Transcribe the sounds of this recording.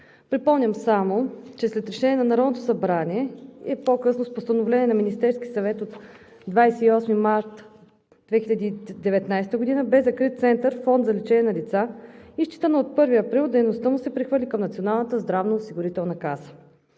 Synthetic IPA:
pɾipɔmnʲəmsamot͡ʃɛslɛt̪ɾɛʃɛnʲiɛnɐnɐɾɔd̪not̪osɐbɾaniɛɛpokɤsnospost̪ɐnovlɛnʲiɛnɐminist̪ɛɾskisɐvɛt̪ot̪ | d̪vajsɛiɔsmimaɾt̪ | d̪vɛxilʲəd̪iːd̪ɛvɛt̪najst̪əɡod̪inəbɛzɐkɾit̪̚t̪sɛnt̪əɾfɔnd̪zɐlit͡ʃɛnʲɛnɐlit̪saiʃt͡ʃit̪ənəot̪̚pɤɾviɐpɾilˠd̪ɛjnost̪əmusɛpɾixvɤɾlʲikəmnɐt̪sionalˠnət̪əzd̪ɾavnəosiɡʊɾit̪ɛlˠnəkazə

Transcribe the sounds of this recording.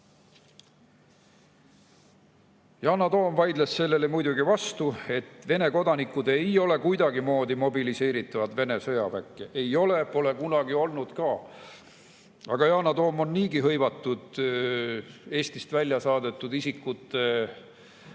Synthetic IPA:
jɑːnɑt̪o̞ːmvɑjd̪lesːe̞lːe̞lemujd̪uɡivɑst̪ue̞t̪ːˑve̞ne̞ko̞d̪ɑnikːˑud̪̥e̞jo̞le̞kujd̪ɑɡimo̞ːd̪imo̞bilise̞ːɾit̪ːˑɑvɑd̪ve̞ne̞sɤjɑvækːˑeʔejo̞le̞po̞le̞kunɑɡio̞lnud̪̥kɑː | ɑɡ̥ɑjɑːnɑt̪o̞ːmo̞nːiːɡiɦɤ̞jvɑt̪ːˑud̪̥ | e̞ːst̪ist̪vælʲːjɑsɑːd̪e̞t̪ːˑud̪isikːut̪ːˑe

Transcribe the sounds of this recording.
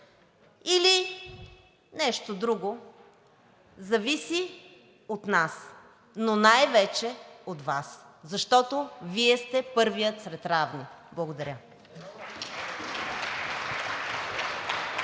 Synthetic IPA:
ili | nɛʃt̪od̪ɾuɡo | zɐvisi | ot̪nas | nonajvɛt͡ʃɛot̪vaszɐʃt̪ɔt̪oviɛst̪ɛpɤɾvijət̪sɾɛt̪ɾavniblˠɐɡod̪ɐɾʲə

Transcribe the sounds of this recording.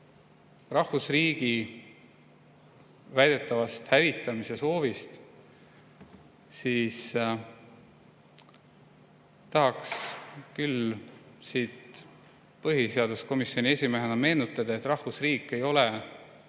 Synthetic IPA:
rɑhvusriːɡ̥i | væjd̪̥e̞t̪ːˑɑvɑst̪hævit̪ːˑɑmiseso̞ːvist̪ | siːs | t̪ɑɦɑkskyl | siːt̪ | pɤɦise̞ɑd̪usko̞misjo̞nʲie̞sʲime̞ɦenɑme̞ːnut̪ːˑɑd̪̥ɑe̞t̪ːˑrɑhfusriːkːˑe̞jo̞le

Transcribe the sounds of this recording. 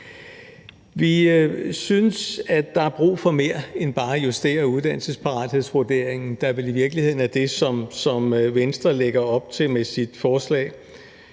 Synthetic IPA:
ʋisynəsæd̥ɑ̈æb̥ʁṵːfɒ̽me̝ːɐenb̥ɑ̈ːæjusd̥e̝̰ːɐuð̞ˠd̥æn̰l̩səspʰɑ̈ʁɑ̈d̥he̝ðˠsʋoɐd̥e̝̰ɐ̰eŋn̩d̥ɑ̈ʋe̝liʋiɐɡ̥lihe̝ð̰ˠn̩æd̥e̝sɒ̽msɒ̽mʋensd̥ʁɐleɡ̥ɐɒ̽b̥̚t͡sʰe̝lmesid̥fɒːslɛ̰ːɪ

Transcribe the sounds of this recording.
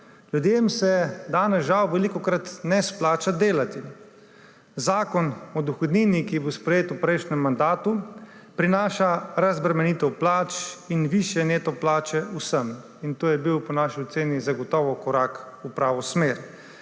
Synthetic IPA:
ljud̪jemsɛd̪aːnɛsʒawʋɛlikɔkɾat̪nɛsplaːt͡ʃad̪eːlat̪i | zaːkɔnɔd̪uxɔd̪niːnikibospɾɛjeːt̪upɾɛjʃnɛmːand̪aːt̪upɾinaːʃaɾazbɾɛmɛnit̪ɛwplaːt͡ʃinʋiːʃjɛneːt̪ɔplaːt͡ʃɛusəm | int̪oːjɛbiwpɔnaʃiɔt̪seːnizaɡɔt̪ɔːʋɔkɔɾak | upɾaːʋɔsmeːɾ

